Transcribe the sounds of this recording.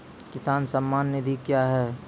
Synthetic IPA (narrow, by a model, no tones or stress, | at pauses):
kɪsaːnsɐmːaːnːɪd̪ʱikjaɦɛː